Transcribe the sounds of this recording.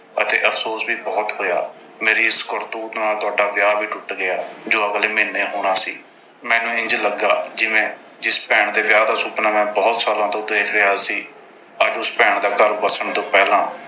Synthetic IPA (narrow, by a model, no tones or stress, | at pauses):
ət̪ḛːʔəpʰsoːsʋiːbɔːt̪ɦoːja̰ː | meːɾiːɪskəɾt̪uːt̪naːlt̪ʊaːɖaːʋɪjaːbiːʈʊʈɡɪaːd͡ʒoːəɡleːmɪnːeːɦoːɽ̃aːsiː | mɛ̃ːnũːɪ̃ɲd͡ʒləɡːaːd͡ʒɪʋẽː | d͡ʒɪspɛːɳd̪eːʋjaːd̪aːsuːpnaːmɛ̃ːbɔːt̪saːlãːt̪õːd̪eːkʰɾɪɦaːsiː | əd͡ʒʊspɛːɳd̪aːkəɾbəsəɳt̪õːpɛːlãː